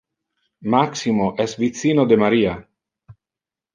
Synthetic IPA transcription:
maksimoʔɛsvit̪siːnod̪emaɾiːa

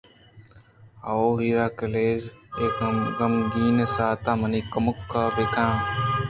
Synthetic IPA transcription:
a̰oːɦiːɾaːkɐleːzeːkmɡɐmɡiːnesaːt̪aːmɐniːkɐmʊkːabeːkʰãː

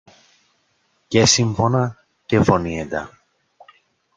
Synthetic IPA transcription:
cesiɱfonɐ | cefonied̪ɐ̰

